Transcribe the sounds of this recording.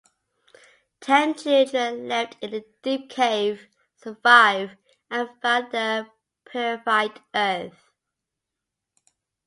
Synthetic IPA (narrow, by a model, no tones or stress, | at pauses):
tʰɛ̃nt͡ʃʰɪtəlɛftɪ̃nəd̥iˑp̚kʰeɪv̥ | səvaɪv | ə̃nfəðə | pʰəvaɪdɜˑθ